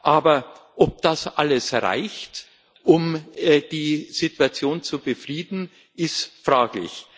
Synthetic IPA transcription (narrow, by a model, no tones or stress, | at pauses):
ʔaːbɐ | ʔɔp̚d̥asʔa̰ləsʁa̰ɪçt | ʔʊmːd̥iːz̥ɪtuat͡sjoːnt͡subəfʁiːdn̩ | ʔɪstfʁ̥aːklɪ̰ç